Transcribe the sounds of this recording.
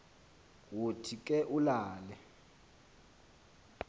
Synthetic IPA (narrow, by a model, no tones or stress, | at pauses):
wotʰikʼɛʔulaːlɛ